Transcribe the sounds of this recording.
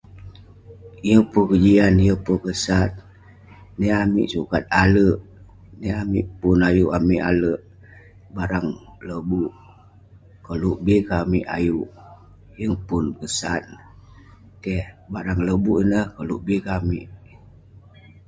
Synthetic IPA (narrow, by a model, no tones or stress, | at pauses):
jəpukəd͡ʒianjəpukəsat̪̚ | nɛamḭʔsukat̪̚aləʔ | nəamḭʔpunajuʔamiʔa̰ləʔ | baɾaŋləbuʔ | kəluʔbikamiʔa̰juʔ | jəŋpunkəsat̪̚ | kɛhbaɾaŋləbuʔinəhkəluʔbikamḭʔ